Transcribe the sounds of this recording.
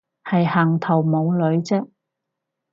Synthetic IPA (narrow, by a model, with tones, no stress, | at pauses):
hɐ˨jhɐː˨˩ŋt̪ʰɐ˨˩wmo˨˧wlɵ˨˧ɥt͡sɛ˥k̚